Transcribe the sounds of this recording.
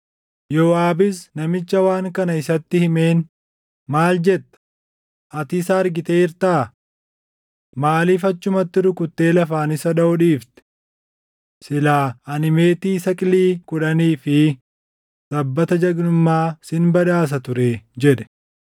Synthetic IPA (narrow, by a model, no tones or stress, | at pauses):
joːaːbɪsnɐmɪt͡ʃːɐwaːŋkɐnɐɪsɐt̪ːɪhɪme̞ːn | maːld͡ʒɛt̪ːɐ̥ | ʔɐt̪ɪsɐːɾɡɪt̪e̞ːɪɾt̪aː | maːliːfɐt͡ʃːʊmɐt̪ːɪɾʊkʊt̪ːe̞ːlɐfaːnɪsɐᶑɐɔᶑiːft̪ɛ̥ | sɪlaːɐnɪme̞ːt̪iːsɐkʼɪliːkʊᶑɐniːfɪ | sɐbːɐt̪ɐd͡ʒɐɡnʊmːaːsɪnbɐᶑaːs̬ɐt̪ʊɾeːd͡ʒɛᶑɛ̥